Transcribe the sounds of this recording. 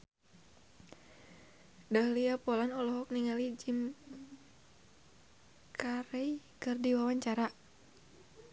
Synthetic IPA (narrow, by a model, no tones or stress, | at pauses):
dahliapɔlanɔlɔɦɔk̚niŋalid͡ʒim | kʰaɾɛikɨrdiwawaɲt͡ʃaɾa